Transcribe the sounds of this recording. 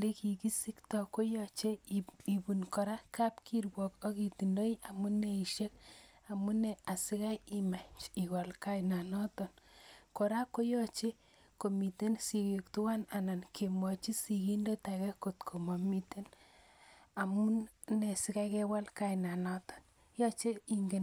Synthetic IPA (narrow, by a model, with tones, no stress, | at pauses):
le˦ki˨ki˦si˦ktɔ˨ko˦jɔ˨t͡ʃe˦i˨pu˨nkɔ˨ɾa˦ka˦pkʰi˦rwɔ˨ko˦ki˨ti˨ndo˦iʔa˨mu˦ne˨i˨ʃe˦k̚ | a˨mu˦ne˨a˨si˦ka˦ji˦ma˨ɲt͡ʃi˨kɔ˨lka˦jna˨nɔ˦tɔ˨nkɔ˨ɾa˦ko˦jɔ˦t͡ʃe˦ | ko˨mi˨te˦nsi˨ke˨k̚tu˦wa˦na˨na˨nke˨mwɔ˨t͡ʃi˦si˨ki˦ndo˦ta˨kɛ˦ko˨tkʰo˨ma˨mi˨te˦n | a˨mu˦ | ne˨si˦ka˦ke˦wa˦lka˦jna˨nɔ˦tɔ̥˨n | jɔ˦t͡ʃe˦i˨ŋɡe˨